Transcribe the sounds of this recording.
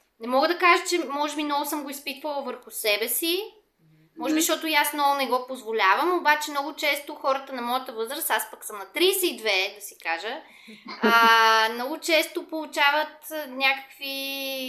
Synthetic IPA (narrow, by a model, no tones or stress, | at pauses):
nɛmɔɡəd̪ɐkaʒət͡ʃɛmɔʒɛbinɔvʊsɤmɡoispit̪vəlˠvəɾxʊsɛbɛsi | mɔʒɛbiʃt̪ɔt̪ʊjasnɔvʊnɛɡɔpozvolʲavəmobat͡ʃɛmnɔɡʊt͡ʃɛst̪oxɔɾət̪ənɐmɔjət̪əvɤzɾəst̪aspəksɤmnɐt̪ɾisɛid̪vɛd̪ɐsikaʒə | mnɔɡʊt͡ʃɛst̪opolˠut͡ʃavət̪nʲakə̥kvi